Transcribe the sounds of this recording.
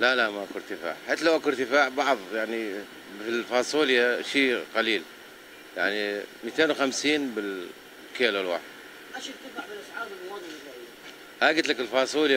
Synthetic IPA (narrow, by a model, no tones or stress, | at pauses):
lalaʔmaʔakʊɾt̪ɪfa̰ːʕħeːt̪ːlawʔakʊɾt̪ɪfaːʕbɑʕðˤjaʕni | filfɑːsˤuːljaʃiːqaliːl | ja̰ʕnimiːt̪eːnwxamsiːnbɪl | keːlalwa̰ːħɪd̪̥̚ | ʔaʃɪɾt̪ɪfaʕbɪlʔasʕɑːbɪlmʊwɑd̪ˤmlaʔi | haːɡɪt̪lakɪlfɑːsˤuːl